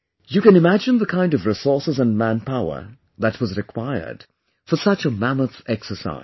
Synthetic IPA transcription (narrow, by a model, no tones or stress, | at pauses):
jɨkɨ̃nɨmæd͡ʒɨ̃nðəkʰãɪ̃ndʌvɹɪsɔɹsəzə̃nmæ̃npʰaʊə̰˞ | ðɨt̚wʌzɹɨkʰw̥aɪə̰˞d̥ | fə˞sʌt͡ʃəmæməθɛksə˞sa̰ɪ̥